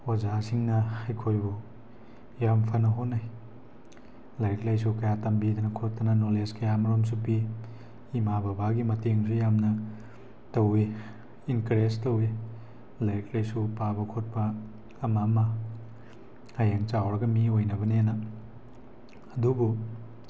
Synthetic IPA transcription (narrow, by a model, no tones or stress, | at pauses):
ozasiŋnɐhajkʰojbu | jampʰɐnɐɦonːaj | lajt̚lajs̬ukɐjatɐmbidɐnɐkʰot̚tːɐnɐnoleskɐjamɐɾoms̬upiː | mabɐbaɡimɐteŋsujamnɐ | tɐwi | inkɾestowi | lajt̚lajsupabɐkʰot̚pɐː | mamɐ | hajeŋt͡ʃawɾɐɡɐmiojnɐbɐnenɐ | ɐdubu